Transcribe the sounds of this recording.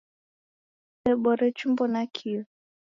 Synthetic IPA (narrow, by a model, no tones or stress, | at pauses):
ɛɓɔɾɛt͡ʃumbɔnakʰiɔ